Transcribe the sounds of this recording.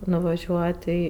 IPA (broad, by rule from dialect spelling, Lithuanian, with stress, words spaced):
nʊʋɐˈʒʲuɔtʲ ˈiː